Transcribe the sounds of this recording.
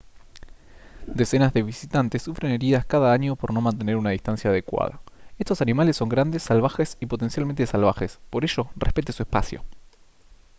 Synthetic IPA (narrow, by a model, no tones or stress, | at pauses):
d̪esenazðe̞βisit̪ant̪esːufɾe̞ne̞ɾiðaskaðaaɲopo̞ɾno̞mãnt̪eneɾunaðist̪ansjaːð̞ekwa̰ð̞a̰e̞st̪o̞sanimalesːo̞ŋɡɾand̪esːalβ̞axesipo̞t̪e̞nsjalment̪esalβaxespo̞ɾeʒorḛhpe̞t̪esuespasjo̰